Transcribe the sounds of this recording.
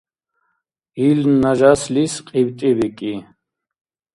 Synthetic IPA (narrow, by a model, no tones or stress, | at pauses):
ilnːaʒaslisqʼiwt̪ʼibikʼi